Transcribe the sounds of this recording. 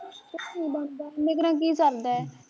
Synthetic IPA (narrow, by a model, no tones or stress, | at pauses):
ɪnĩːbənd̪aːmɪkɾãːk̬iːsəɾd̪aːɛː